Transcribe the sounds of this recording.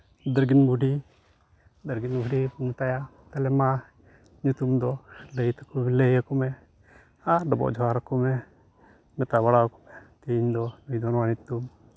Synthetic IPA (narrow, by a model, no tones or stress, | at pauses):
d̪əɾɡinbʱuɖʱi | d̪əɾɡinbʱuɖimt̪ajat̪ɛlɛma | ɲut̪umd̪ɔləjt̪akumɛləjakumɛ | aɖɔbɔ̰ʔd͡ʒʱɔaɾakumɛ | mɛt̪abaɽakɔmɛt̪iɲd̪ɔnujd̪ɔnwanit̪um